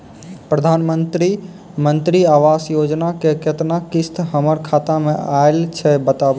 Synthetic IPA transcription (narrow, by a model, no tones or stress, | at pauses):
pɾəd̪ʱanmənt̪ɾi | mənt̪ɾiaʋasjod͡ʒnakeket̪nakist̪ʰɦəməɾkʰat̪ameaelt͡ʃʰɛbət̪ab